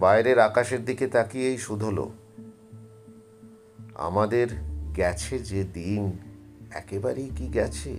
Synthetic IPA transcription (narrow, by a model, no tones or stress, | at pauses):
baeɾeɾakaʃeɾd̪iket̪akiejʃud̪ʱolo̰ | a̰mad̪eɾɡɛt͡ɕʰed͡ʑed̪in | ɛ̰kebaɾejkiɡɛt͡ɕʰḛ